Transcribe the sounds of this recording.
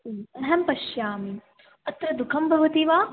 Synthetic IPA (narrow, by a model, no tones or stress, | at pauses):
ɐɦɐmpɐʃjaːmi | ɐt̪ɾɐd̪ukʰɐmbʱɐʋɐt̪iʋaː